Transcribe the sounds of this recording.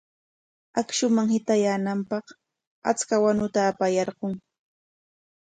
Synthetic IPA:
akʃʊmaŋhɪt̪ajaːnampɑχ | a̰t͡skawanʊt̪aːpajɑɾɢoŋ

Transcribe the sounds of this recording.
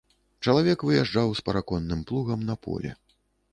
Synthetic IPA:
t͡ʂɐlˠavʲɛkvɨjaʐawspɐɾakɔnːɨmplˠuɣɐmnɐpɔ̰lʲɛ̰

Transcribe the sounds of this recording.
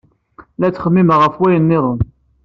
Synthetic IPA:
læt͡sːχəmːiməʁəfwæjənːɪðˤən

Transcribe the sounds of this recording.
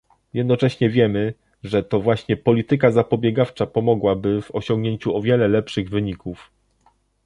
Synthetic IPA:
jɛd̪nɔt͡ʂɛɕɲɛvʲjɛmɘ | ʐɛt̪ɔvwaɕɲɛpɔlʲit̪ɘkazapɔbʲjɛɡaft͡ʂapɔmɔɡwabɘvɔɕɔ̃ŋɡɲeɲt͡ɕuɔvʲjɛlɛlɛpʂɘɣvɘɲikuf

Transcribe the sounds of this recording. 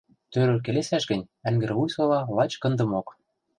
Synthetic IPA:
t̪øɾɘ̆lk̬elesæʃɡɘ̆nʲæŋɡɘ̆ɾvujsolɑlɑt͡ɕkɤ̆nd̪ɤ̆mok

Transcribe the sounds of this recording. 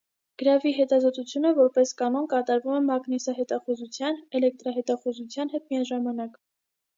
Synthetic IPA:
ɡ̥əɾɑviɦɛt̪ɑzɔt̪ut͡sʰjunəvɔɾpɛskɑnɔnkɑt̪ɑɾvumɛmɑɡnisɑɦɛt̪ɑχuzut͡sʰjɑnɛlɛk̚t̪ɾɑɦɛt̪ɑχuzut͡sʰjɑnɦɛt̪miɑʒɑmɑnɑk

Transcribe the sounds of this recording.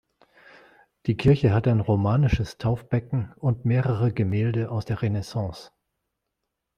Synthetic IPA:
d̥iːkʰɪɐçəɦataɪnʁomaːnɪʃəstʰaʊfb̥ɛkŋ̩ʊntmeːʁəʁəɡəmeːldəʔaʊsd̥eːɐʁenesɑ̃ːs

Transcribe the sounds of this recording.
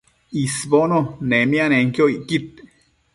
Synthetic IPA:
isbononemjaneŋkjoiʔkit̪̚

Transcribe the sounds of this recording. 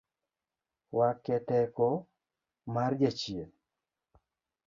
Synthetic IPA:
wakɛtɛkɔ | mard͡ʒat͡ʃien

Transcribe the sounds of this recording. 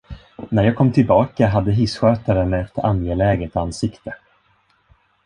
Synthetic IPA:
næɾjɑːɡkʰɔmːt̪ʰɪlbɑːkaɦad̪ːəɦɪsɧøːt̪aɾəmɛɛt̪a̰njelɛːɡət̪ansɪkt̪ə

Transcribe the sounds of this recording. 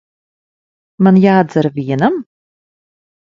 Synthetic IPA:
manjaːd̪zaɾvʲiɛnam

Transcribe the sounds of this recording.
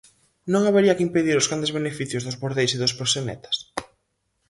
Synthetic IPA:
nõŋaβeɾiɐkɪimpeðiɾʊzɣand̪ezβenefiθjʊzðʊzβoɾðejsɪðʊspɾosenɛ̰t̪ʰɐ̥s

